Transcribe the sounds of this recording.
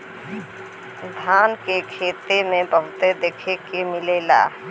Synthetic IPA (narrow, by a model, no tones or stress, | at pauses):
d̪ʱaːnkekʰeːt̪emẽbəɦʊt̪ed̪eːkʰekimɪleːla̰ː